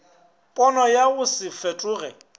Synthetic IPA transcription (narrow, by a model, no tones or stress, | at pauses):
pʼɔnɔjaɣʊsɪfɛtʼʊːɣɛ